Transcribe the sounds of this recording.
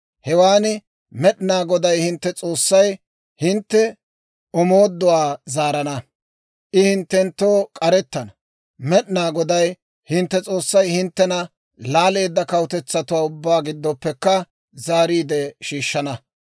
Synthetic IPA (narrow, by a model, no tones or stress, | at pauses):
hɛwaːnɪ | mɛɗnaːɡɔd̪ɐjhɪnt̪ːɛt͡sʼo̞ːsːɐj | hɪnt̪ːɛ | ɔmoːd̪ːɔwaːzaːɾɐnɐ | ʔɪhɪnt̪ːɛnt̪ːoːkʼɐɾɛt̪ːɐnɐ | mɛɗnaːɡɔd̪ɐj | hɪnt̪ːɛt͡sʼo̞ːsːɐjhɪnt̪ːɛnɐ | laːle̞ːd̪ːɐkɐwt̪ɛt͡sːɐt̪ʊwaːʊbːaːɡɪd̪ːɔpːɛkːɐ | zaːɾiːd̪ɛʃiːʃːɐnɐ